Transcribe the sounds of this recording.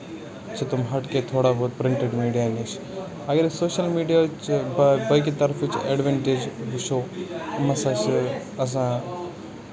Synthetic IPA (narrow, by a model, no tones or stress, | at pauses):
t͡ʃʰet̪ʊmɦɐʈket̪ʰoːɽaɦoːt̪̚pɾɪ̃ɳʈeɖmiːɖijaːnit͡ʃʰ | ɐɡəɾsoːʃəlmiːɖijat͡ʃbbɐk̬it̪ɐɾfit͡ʃḛɖʋeɳʈed͡ʒʋuʃʰoːmɐsat͡ʃ | ɐs̬ã